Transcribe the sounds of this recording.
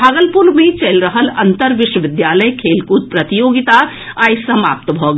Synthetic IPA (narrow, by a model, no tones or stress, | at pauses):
aːɡəlpuɾmẽt͡ʃəlɾəɦəlɐ̃nt̪əɾʋɪʃwəʋɪd̪jaːləjkʰeːlkut̪̚pɾɐt̪ijoːɡɪt̪a | aːjsɐmaːp̚t̪əbʱɔːɡ